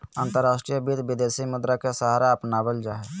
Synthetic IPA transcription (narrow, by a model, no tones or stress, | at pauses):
ãːnt̪əɾːaːsʈɾijəbid̪ʋɪd̪eːsimʊd̪ɾakesəɦaːɾaəpnaːʋəld͡ʒaːɦe